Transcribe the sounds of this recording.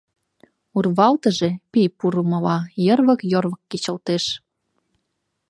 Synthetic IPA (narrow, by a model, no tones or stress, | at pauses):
urβɑlt̪əʒepijpuɾuməlɑjərβə̆kjorβə̆kːit͡ɕə̆lt̪eʃ